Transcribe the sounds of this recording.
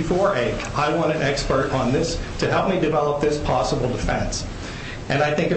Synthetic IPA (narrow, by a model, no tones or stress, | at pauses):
ɨfɔɹʔeɪkaɪwɑ̃ñɨ̃nɛkspə˞ɾn̩ðɪstʰɨɦɛlˠp̚midɨvɛlˠəp̚ðɪspʰɑsəbl̩ˠdɨfɛ̰̃ns | ʔɨ̃naɪθɪ̃ŋkɨ